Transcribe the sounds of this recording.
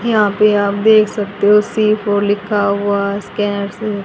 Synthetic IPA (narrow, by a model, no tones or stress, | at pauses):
jɐɦãpeaːp̚d̪eːkʰsɐk̚t̪eɦosiːfʰɔːɾlɪkʰaɦʊaskɛːnəɾse